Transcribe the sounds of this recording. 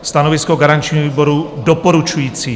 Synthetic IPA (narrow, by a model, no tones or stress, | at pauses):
st̪anovɪskoɡaɾant͡ʃɲiːɦoviːbo̞ɾudopoɾut͡ʃujiːt͡siː